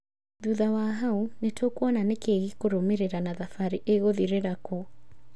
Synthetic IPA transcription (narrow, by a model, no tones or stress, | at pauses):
ðuðawaɦaunetʰokuananekeɣikoɾomeɾɛɾanaðafaɾiʔeɣoðiɾɛɾako